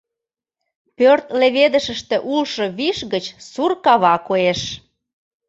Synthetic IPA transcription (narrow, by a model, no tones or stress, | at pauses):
pørt̪leβed̪ə̆ʃə̆ʃt̪ĕʔulʃɤ̆βiʃɣət͡ɕsurkɑβɑkoeʃ